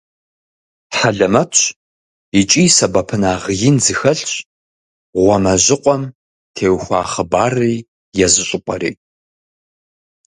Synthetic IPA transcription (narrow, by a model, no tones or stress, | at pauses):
ħaɮɐmɐt | it͡ʃʼiːsɐbɐpʰɨnaːʁjɪnzɨxɐɬɕ | ʁʷɔmɐʑɪqʷʼɔm | tʰeːwxʷɑ̰ːχəbaːriː | jɛzɨɕʼɪpʷʼɐɾḭː